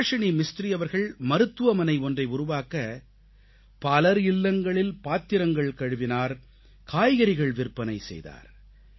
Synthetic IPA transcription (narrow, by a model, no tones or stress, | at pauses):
ʂɐnimɪst̪ɾɪjɐʋɐɾɣɐɭmɐɾɯt̪ːɯʋɐmɐnɐɪɔndrɐɪʊɾʊʋaːkɐ | pɐlɐɾɪlːɐŋɡɐɭɪlpaːt̪ːɪɾɐŋɡɐɭkɐɻɯʋɪnaːɾ | kʰaːjɣɐɾɪɣɐɭʋɪrpːɐnɐɪsɛ̰jða̰ːɾ